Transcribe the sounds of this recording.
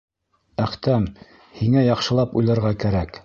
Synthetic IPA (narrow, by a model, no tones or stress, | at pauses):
æχt̪æm | hiŋæjɑqʃɤ̆lˠɑpujlˠɤ̆ɾʁɑkæɾæk